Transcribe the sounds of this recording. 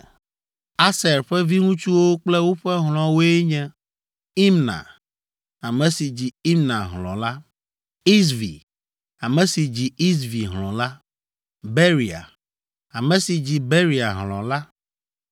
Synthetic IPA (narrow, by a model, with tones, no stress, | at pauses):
a˦sɛ˨ɾɸɛ˦vi˦ŋũ˦t͡ʃu˦wo˦k͡plɛ˦wo˦ɸɛ˦ɦl̃ɔ̃˨wo˦e˦ɲɛ̃˦ | i˦mnã̰˨ | a˨mɛ̃˨si˨d͡ʑi˨i˦mnã˨ɦlɔ̰̃˨la˦ | i˦svḭ˨ | a˨mɛ̃˨si˨d͡ʑi˨i˦s̬vi˨ɦlɔ̃˨la˦ | be˦ɾi˨a̰˨ | a˨mɛ̃˨si˨d͡ʑi˨be˦ɾi˨a˨ɦlɔ̰̃˨la˦